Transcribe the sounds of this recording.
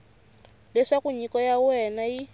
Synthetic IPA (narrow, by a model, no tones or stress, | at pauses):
lɛʂakuɲikɔjawɛnaji